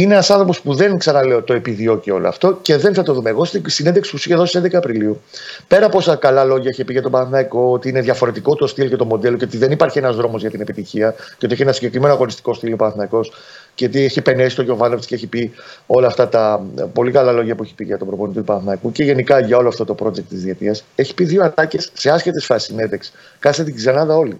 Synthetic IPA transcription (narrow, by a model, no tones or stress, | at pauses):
inenɐsɐnθɾopo̞spuðe̞nksɐnɐle̞ot̪o̞e̞piðio̞cio̞̰loɐ̰ft̪o̞ce̞ðe̞nθɐt̪oðumeeɣo̞st̪isinnd̪eksi̥pusiçeðosisnd̪ekɐpɾiliu | pe̞ɾɐpo̞sɐkɐlɐlo̞ʝɐeçepiʝɐt̪obɐθnɐiko̞ot̪iineðʝɐfo̞ɾe̞t̪iko̞t̪ost̪ilcɐt̪omo̞d̪e̞lo̞ceot̪iðe̞nipɐɾçienɐzðɾo̞mo̞zʝɐt̪ine̞pit̪içiɐceoieçienɐsiɲɟe̞kɾimenoɐɣo̞nist̪i̥ko̞st̪ilopɐnθmɐiko̞s | ceot̪ieçiepe̞ne̞si̥st̪o̞ʝo̞vɐnoft̪ceeçipio̞lɐːft̪ɐt̪ɐpo̞likɐlɐlo̞ʝɐpueçi̥piʝɐt̪o̞bɾoponit̪it̪upɐnθmɐikuce̞ʝe̞nikɐʝɐo̞loɐft̪o̞t̪o̞pɾo̞d͡ʑek̚t̪ːizðiɐt̪iɐse̞çi̥piðio̞ɐt̪ɐce̞sːe̞ɐscet̪esfɐsi̥sine̞d̪eks | kɐset̪iɡzɐnɐðɐo̞li